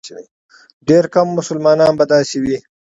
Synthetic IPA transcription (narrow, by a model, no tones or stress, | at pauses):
ɖeːɾkamːʊsʊlmɑːnɑːnbad̪ɑːsewi